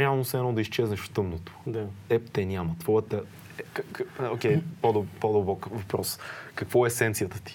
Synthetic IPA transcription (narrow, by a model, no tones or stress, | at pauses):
ɾɛalˠnʊsɛnowˠd̪ɐiʃt͡ʃɛznəʃft̪əmnʊt̪ʊ̥d̪aɛpt̪ɛnʲamɐt̪vɔɛt̪ɐ | ɛkkokʲɛjpɔd̪ɐpɔd̪ɐbɔkvɐpɾɔskɐkvɔɛsɛnt̪sijɐt̪ət̪i̥